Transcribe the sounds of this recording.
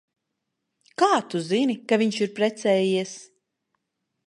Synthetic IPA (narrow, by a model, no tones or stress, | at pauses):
kaːt̪uzinikaviɲʃiɾpɾɛt̪sɛːjiɛs